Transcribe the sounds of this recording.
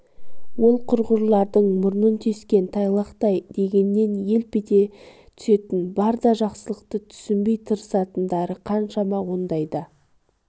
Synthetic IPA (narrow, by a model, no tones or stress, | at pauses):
wo̞lˠqʰʊɾʁʊɾlˠɑɾd̪əɴmʊɾnənt̪ʰeskʲe̞nt̪ʰɑjlˠɑqt̪ɑjd̪e̞ɡʲe̞nːe̞nje̞lpɪd̪e̞ | t̪ʰʏ̥se̞t̪ɪnbɑɾd̪ɑʒɑqsəlˠəqt̪ət̪ʰʏ̥sɪmbe̞jt̪ʰəɾəsɑt̪ənd̪ɑɾəqʰɑnʃɑmɑwo̞nd̪ɑjd̪ə